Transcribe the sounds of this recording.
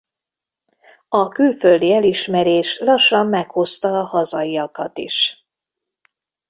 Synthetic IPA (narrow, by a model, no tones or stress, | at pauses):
ɒkylføld̪iɛliʃmɛɾeːʃlɒʃːɒmːɛkho̞st̪ɒːhɒzɒiɒkɒt̪ḭʃ